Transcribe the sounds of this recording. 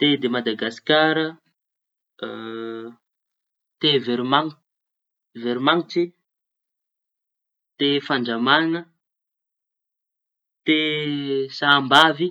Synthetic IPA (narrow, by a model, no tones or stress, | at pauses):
t̪ed̪emad̪aɡasi̥kaɾə | t̪eveɾimaŋ | veɾimaŋʈ͡ʂi | t̪efaɳɖ͡ʐamanə | t̪e | saːmbavi